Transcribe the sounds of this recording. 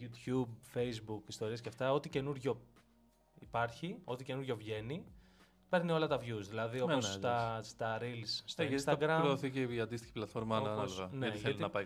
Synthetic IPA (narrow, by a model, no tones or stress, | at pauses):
ut̪çubfejzbukist̪o̞ɾiɐsceɐft̪ɐo̞t̪ice̞nuɾʝo̞ | ipɐɾçio̞t̪ice̞nuɾʝo̞vʝe̞ni | pe̞ɾnio̞lɐt̪ɐvjuzðilɐðioost̪ɐst̪ɐɾilsːt̪oisst̪ɐɡɾɐmɾoːθiceiɐnd̪ist̪içi̥plɐt̪fo̞ɾmɐnɐlvɐneɐiθeɐtlnɐpɐj